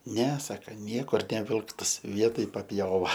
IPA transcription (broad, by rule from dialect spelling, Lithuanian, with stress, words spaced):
nʲɛ ˈsɑːkɐ ˈnʲiɛkʊr nʲɛˈʋʲɪlˠktɐs ˈʋʲiɛtoːj pɐpʲˈjoːʋɐ